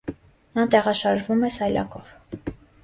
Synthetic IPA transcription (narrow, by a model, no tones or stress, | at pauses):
nɑt̪ɛʁɑʃɑʒvumɛsɑjlɑ̰kɔv̥